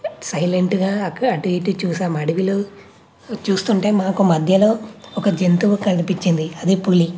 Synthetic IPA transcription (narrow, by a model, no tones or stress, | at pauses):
sɐjleɳʈɡaːɐʈʋiːʈut͡ʃuːsaːmɐɽiʋiloː | t͡ʃuːst̪uɳʈe̞ːmaːkumɐd̪ʱjɐlo̞ːɔkɐd͡ʒent̪uʋukɐlpit͡ʃːind̪iɐd̪ipuli